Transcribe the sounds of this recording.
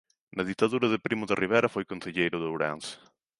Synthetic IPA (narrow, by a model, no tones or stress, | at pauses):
nɐðit̪aðuɾɐðɪpɾimʊðɪrʔiβeɾɐfojkonθeʎejɾʊðowɾa̰ns